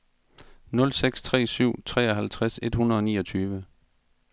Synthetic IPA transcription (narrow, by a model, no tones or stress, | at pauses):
nɔ̽lseɡ̥st͡sʰʁɛ̰ːsyʊ̰t͡sʰʁɛ̰ːɒɦælt͡sʰʁase̝d̥hunɐð̞̩ˠɒ̽nḭːɒ̽t͡sʰyːʋə